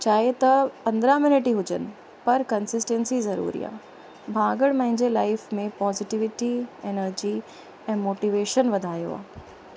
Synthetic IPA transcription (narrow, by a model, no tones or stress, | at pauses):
t͡ɕaːɦet̪ɐpɐ̃nd̪ɾamɪnɪʈiɦʊd͡ʑənɪ̆ | pɐɾkɐnsɪsʈẽnsizɐɾṵːɾḭːa̰ː | bʱãːɡəɽmɐ̃ɦɪ̃ɲd͡ʑelaːɪfmẽpɔːzɪʈiʋɪʈienəɾd͡ʑi | ɛ̃ːmoːʈiʋeːʃənʋɐd̪ʱaːjo̰a̰ː